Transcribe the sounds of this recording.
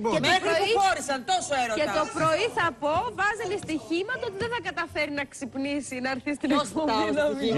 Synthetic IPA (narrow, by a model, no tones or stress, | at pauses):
moexpɾoiioɾisɐnt̪osoeɾoet̪o̞pɾo̞iθɐpo̞vɐzɐnist̪içimɐt̪ɐot̪iðenθɐɡɐt̪ɐfeɾinɐksipnisinɐːɾθist̪iɾioinom